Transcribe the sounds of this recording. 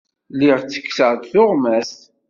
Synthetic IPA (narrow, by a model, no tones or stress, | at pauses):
liʁt͡sːə̥kːsəʁd̪θʊʁmæst̪